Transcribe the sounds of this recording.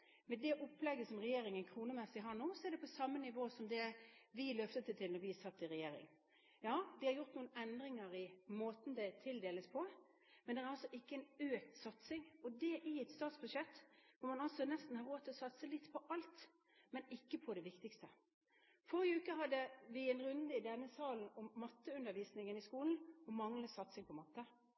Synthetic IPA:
mɛd̪ɛʔɔpːlɛɡːəsɔmʁɛjeːɾɪŋənkʰɾuːnəmɛsːɪɦɑɳuːsɔæɾd̪ɛpʰɔsɑmːənɪʋoːsɔmd̪ɛʋɪlœft̪ət̪ːət̪ʰɪlnɔɾʋɪɛsɑt̪ːɪɾɛjeːɾɪ̰ŋ | jɑːd̪ɪhɑɾjʊɾt̪nuːənɛnd̪ɾɪŋəɾɪmoːt̪n̩d̪ɛt̪ʰɪld̪eːləspʰɔ | mɛnd̪ɛæɾɑlsɔʔɪkːəæɪnøːk̚t̪sɑt̪sɪŋɔd̪ɛʔɪɛt̪st̪ɑːt̪sbʉd̪ʂɛt̪ːʋɔmɑnɑlsɔnɛst̪n̩hɑɾoːt̪ʰːɪlɔsɑt̪səlɪt̪ːpʰɔʔɑlt̪ | mɛnɪkːəpʰɔd̪ɛʋɪkt̪ɪkst̪ə | fɔɾɪʉːkəɦɑd̪ːəʋɪɛnɾʉnd̪əɪd̪ɛnːəsɑːln̩ɔmːɑt̪ːəʉnd̪əʋiːsnɪŋənɪskuːln̩ɔmɑŋləsɑt̪sɪŋpʰɔmɑt̪ːə

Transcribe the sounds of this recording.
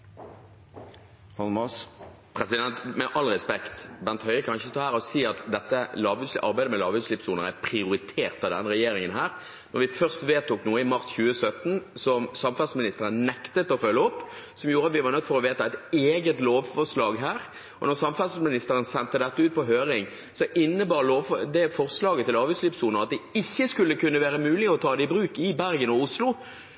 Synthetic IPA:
hɑlmɑs | pʰɾɛsɪd̪ɛnt̪mɛʔɑlʁɛspɛkt̪bænt̪hœʏɾəkʰɑnɪçət̪ʰɑːhæːɾɔsiːɑt̪d̪ɛt̪ːəlɑːʋʉd̪slɪʔɑɾbæɪd̪əmɛlɑːʋʉd̪slɪpsuːnəɾæ̰pʰʁɪʊɾɪt̪ʰeːʁt̪ɑʋd̪ɛ̰nːəʁɛjeːɾɪŋənɦæːɾ | nɔɾʋɪfœʁst̪ʋeːt̪uːknuːəɪmɑɾsçʉːəsœt̪n̩sɔmsɑmfæʁsmɪnɪst̪əʁənnɛkt̪ət̪ɔfœlːəɔpːsɔmjuːɾəɑt̪ʋɪʋɑʁnœt̪ːfɔɾɔʋeːt̪ɑɛɪt̪eːɡət̪loːʋfɔʁslɑːɡɦæːɾ | ɔ̰nɔʁsɑmfæsmɪnɪst̪əɾənsɛnt̪əd̪ɛt̪ːəʉːt̪̚pʰɔɦøːɾɪŋ | sɔʔɪnːəbɑːɾloːʋfɔd̪ɛfɔʁslɑːɡət̪ɪlɑːbʉslɪpsuːnəʁɑt̪̚d̪ɛɪçːəskʉlːəkʉnːəʋæːɾəmʉːlɪɔt̪ʰɑːd̪ɛɪbɾʉːkɪbæɾɡənɔʊslʊ

